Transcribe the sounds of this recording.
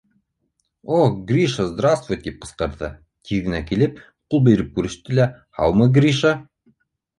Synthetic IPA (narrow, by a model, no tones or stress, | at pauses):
oɡrʲiʃəzd̪ɾast̪vujt̪ip̚qɤ̥̆sqɑɾðɤ | t̪ʲʰiðɡɘ̆nækilɘp̚ | qulˠbĕjɾɘp̚kʉɾɘ̆ʃt̪ɘlæ | hɑ̰wmɤɡrʲiʃə